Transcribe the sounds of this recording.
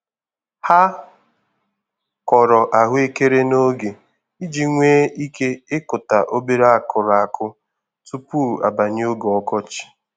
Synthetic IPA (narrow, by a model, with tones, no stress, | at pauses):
ha˦ | kɔ˨ɾɔ˨ʔa˨ɦʊ˦e˦ke˦ɾe˦no˦ɡe˨ | i˦d͡ʒi˦ŋʷeː˦i˦ke˦ɪ˦kʊ˨ta˨ʔo˦be˦ɾa˦˨kʊ˨ɾa˨a˨kʰʊ˦ | tu˦pu˦˨a̰˨ba˨ɲ˦o˦ɡɔ˦kɔ˦t͡ʃɪ̥˨